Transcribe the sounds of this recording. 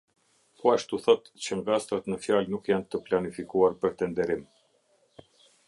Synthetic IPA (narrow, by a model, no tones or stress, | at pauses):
pʰɔaʃt̪uθɔt̪t͡ɕəŋɡast̪ɾat̪nəfjalnukjant̪əplanifikuaɾpəɾt̪ɛnd̪ɛɾim